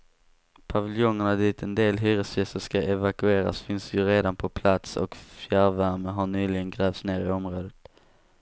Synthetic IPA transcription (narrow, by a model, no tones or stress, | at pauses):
pʰavɪljɔŋːəɳad̪iːt̪ʰɛnd̪eːlɦyːɾəsjɛst̪əʂkaʔɛvakɵeːɾa̰sfɪnsjɵɾeːd̪anpʰɔpʰlat̪sɔ̰kfjæɾvæɾməɦaɳyːlɪɡənɡɾɛːvt̪sneːɾɪɔmɾoːd̪ət̪